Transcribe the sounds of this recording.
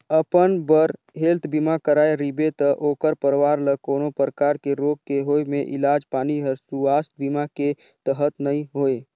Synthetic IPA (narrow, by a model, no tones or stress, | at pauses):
əpənbəɾ | ɦelt̪ʰbimakəɾaːeɾibet̪əʔoːkəɾpəɾʋaɾləkoːnopɾəkaɾkeɾoɡ̚keɦoemeʔḭlad͡ʒpaːniɦəɾsuast̪bimake | t̪əɦət̪nəĩɦoe